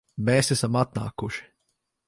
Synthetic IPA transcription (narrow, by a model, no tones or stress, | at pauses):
meːsɛsamat̪̚na̰ːkuʃi̥